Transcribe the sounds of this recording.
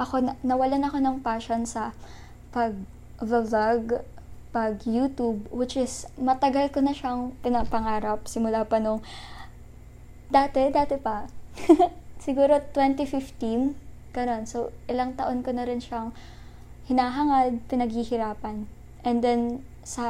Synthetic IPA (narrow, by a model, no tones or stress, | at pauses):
ʔɐko̞nɐnɐwɐlanɐko̞nɐŋpaːʃo̞nsɐ | pɐɡ̚ | vɐvaɡ | pɐɡjuːt̪ub̚wɪt͡ʃʔɪsmɐt̪ɐɡalkonɐʃaŋpɪnɐɡ̚pɐŋaːɾɐp̚sɪmʊlaːpɐnoŋ | d̪aːt̪ɛd̪aːt̪ɛpɐ | sɪɡuːɾo̞t̪wɛnt̪ifɪft̪in | kɐno̞nsoʔɪlɐŋt̪ɐʔo̞nkonɐɾɪnʃaŋ | hɪnaːɦɐŋad̪̚pɪnɐɡ̚hihɪɾaːpɐn | ʔɛnd̪ɛn | sɐ